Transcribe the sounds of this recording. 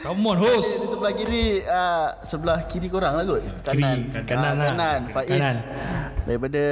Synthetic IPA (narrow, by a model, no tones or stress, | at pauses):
amɔnɦosdisəbəlahkiɾiəsəbəlahkiɾikoɾaŋlaɡot̪kanankaanananfaʔisndaɾipada